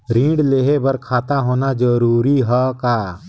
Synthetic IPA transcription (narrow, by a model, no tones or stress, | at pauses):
ɾĩːɖleːɦebəɾkʰaːt̪aɦoːnad͡ʒəɾuːɾiɦakaː